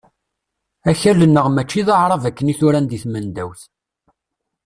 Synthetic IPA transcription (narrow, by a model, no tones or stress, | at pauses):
æçælənːəʁmæt͡ʃːiðəʕɾˤɑvækːəniθʊɾænd̪iθmənd̪æwθ